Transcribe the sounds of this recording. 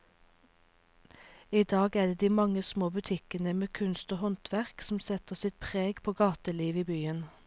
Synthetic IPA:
iːd̪ɑːɡæːd̪eːd̪iːmɑŋəsmoːbʉt̪ʰɪkənəmeːkʰʉnst̪oːhɔnt̪ʰʋæʁksm̩sɛt̪əsɪt̪̚pʰʁeːɡpʰoːɡɑːt̪əliːʋiːbyːən

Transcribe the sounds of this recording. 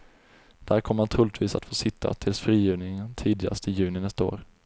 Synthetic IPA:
d̪̥æːɾkʰɔmːəɾnat̪ʰɾuːlɪt̪viːsat̪foːsɪt̪ʰːa̰t̪ʰɪlsfɾiːjʏːnɪŋənt̪ʰiːd̪ɪɡa̰st̪ʰəjʉ̟ːnɪnɛst̪ao̰ːɾ

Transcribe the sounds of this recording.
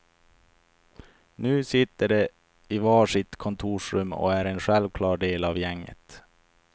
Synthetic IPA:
nʉ̟ːsɪt̪ːəɖɛ | ɪvɑːʂɪt̪kʰɔnt̪ʰuːʂɾɵmːɔ̰æɾenɧɛlvkʰlɑːɖeːlɑvjɛŋːə̰t̪

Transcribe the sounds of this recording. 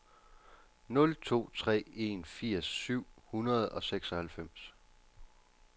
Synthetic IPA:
nɔ̽lt͡sʰo̝̰ːt͡sʰʁɛ̰ːe̝nfiɐ̰sːyʊ̰hunɐð̞̩ˠɒ̽seɡ̥sɒ̽hælfem̰s

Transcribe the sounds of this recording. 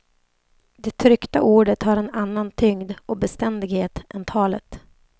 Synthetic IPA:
d̪ɛt̪ʰɾʏkt̪aʔuːɖət̪haɾɛnanːant̪ʰʏŋd̪ɔbɛst̪ɛnd̪ɪɡheːt̪ʔɛnt̪ʰɑːlət̪

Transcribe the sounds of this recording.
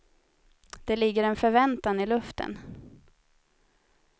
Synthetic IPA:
d̪̥ɛlɪɡːəɾɛnfœɾvɛnt̪anɪlɵft̪ʰə̰n

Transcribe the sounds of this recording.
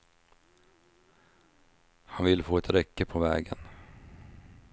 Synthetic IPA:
hanvɪlfoːɛt̪ɾɛkːəpʰɔvɛ̰ːɡən

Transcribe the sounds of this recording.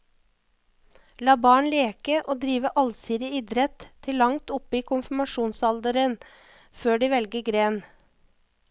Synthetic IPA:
lɑːbɑːɳleːkəʔoːd̪ɾiːʋəʔɑlsiːd̪ɪiːd̪ɾɛt̪t̪ʰːɪlːɑŋt̪ʊpəiːkʰʊnfm̩ɑʃuːnsɑld̪əɾən | føːɖiːʋɛlɡəɡɾeːn

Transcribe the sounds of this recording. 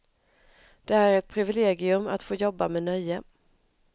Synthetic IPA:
d̪̥ɛhæːɾɛt̪̚pʰɾɪvɪleːɡɪɵma̰t̪foːjɔbːamɛnœjːə

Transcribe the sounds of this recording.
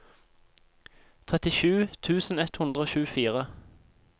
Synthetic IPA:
t̪ʰʁɛt̪ɪʃʉːt̪ʰʉːsn̩ɛt̪hʊnd̪ʁəoːʃʉːəfiːʁə

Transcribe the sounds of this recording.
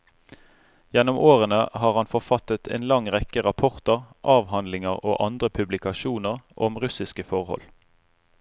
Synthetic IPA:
jɛnʊmʔoːʁənəhɑːʁhɑnfɔʁfɑt̪ət̪ʰḛːnlɑŋʁɛkəʁɑpʰɔʁt̪əʁʔɑːʋhɑnd̪lɪŋəʁo̰ːʔɑnd̪ʁəpʰʉblɪkɑʃuːnəʁʔɔmʁʉsɪskəfɔʁhɔ̰l

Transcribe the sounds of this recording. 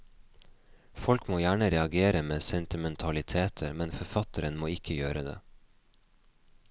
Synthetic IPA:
fɔlkmoːjæːɳəɾɛɑɡeːɾəmeːsɛnt̪ɪmɛnt̪ʰɑlɪt̪ʰeːt̪ʰəɾmɛnfɔɾfɑt̪əɾənmoːɪkʰəjøːɾəd̪ḛː

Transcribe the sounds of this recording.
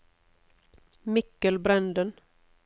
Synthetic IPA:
mɪkːəlbɾɛnd̪ən

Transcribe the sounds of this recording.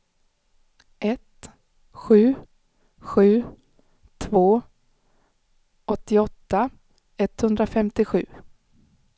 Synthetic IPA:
ʔɛt̪ | ɧʉ̟ː | ɧʉ̟ː | t̪ʰvoː | ɔt̪ːɪɔt̪ːa | ɛt̪hɵnd̪ɾafɛmt̪ɪɧʉ̟ː

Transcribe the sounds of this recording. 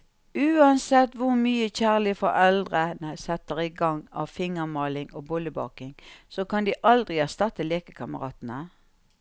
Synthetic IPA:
ʉːɑnsɛt̪ːʋʊʁmyːəçæːʁlɪfɔʁɛld̪ʁənəsɛt̪əʁɪɡɑŋːɑ̰ʋfɪŋəmɑːlɪŋoːbɔləbɑ̰ːkɪŋsoːkɑnd̪iːʔɑld̪ʁɪæʁst̪ɑt̪ːəleːkəkʰɑməʁɑ̰ːt̪n̩ə

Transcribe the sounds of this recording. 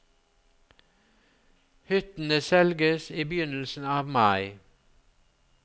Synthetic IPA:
hʏt̪n̩əsɛlɡəsiːbjʏnəl̩sn̩ɑːʋmɑɪ

